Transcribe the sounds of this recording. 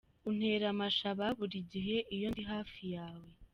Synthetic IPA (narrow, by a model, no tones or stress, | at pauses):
un̥he̞ɾamaʃaβaβuɾiɟiɦe̞ʔijondiɦaːfijaːwe̞